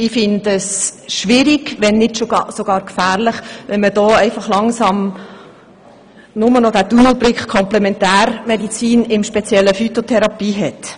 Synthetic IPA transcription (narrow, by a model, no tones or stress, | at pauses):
ɪfɪndəsʃʋɪɾiɡʋɛnːɪtʃosoɡ̥ɑːɾkfæːʁlɪχʋɛnmədɔːɛɪfɑχlɑŋsɑm | nʊmənɔd̥ædunl̩bɾɪkχkʰɔmplɛmɛntæːɾmɛdit͡siːnɪmʃpɛt͡sjɛlːəfyt̪otʰɛɾɑpiːɦɛt